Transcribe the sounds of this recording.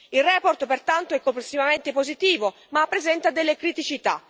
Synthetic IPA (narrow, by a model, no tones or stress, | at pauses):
ilrɛːport̪pert̪ant̪oɛkːomplesːivament̪epozit̪iːvo | maːpːɾezɛnt̪ad̪elːekɾit̪it͡ʃit̪a̰